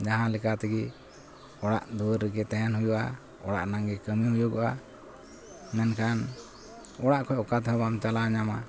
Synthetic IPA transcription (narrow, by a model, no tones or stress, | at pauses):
d͡ʒaɦãlɛkat̪ɛɡi | ɔɽaʔd̪uɾɾiɡɛt̪ɛɦɛnɦujuʔa̰ | ɔɽa̰ʔnaŋɡɛkəmiɦujuɡɔʔa | mɛnkʰan | ɔɽaʔkʰɔjɔkat̪habamt͡ʃalaɲama